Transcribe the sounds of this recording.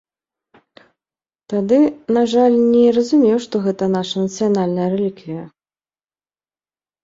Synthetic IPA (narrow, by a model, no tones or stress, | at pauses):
t̪ad̪ɨnaʐalʲnʲɛɾɐzumʲɛwʂt̪ɔɣɛt̪ɐnaʂɐnɐt̪sɨjanalʲnɐjɐɾɛlʲikvʲijɐ